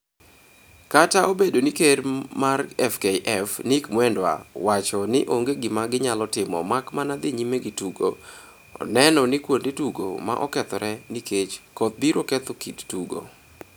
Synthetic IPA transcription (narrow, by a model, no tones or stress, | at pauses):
kataʔobedonikeɾmarɛfkeʔɛfnikmwɛndwa̰wat͡ʃɔnɪʔoŋɡeɡɪmaɡɪɲalɔtɪmɔ̰makmanad̪ɪɲimeɡɪtuɡo̰ | ɔ̰nɛnɔnɪkwondetuɡo̰ma̰ʔɔkɛt̪ɔɾʔɛnikʰet͡ʃkot̪̚biɾokɛt̪okittuɡo̰